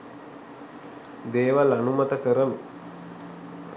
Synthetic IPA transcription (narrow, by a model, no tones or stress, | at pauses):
d̪eːʋalanumat̪əkəɾənu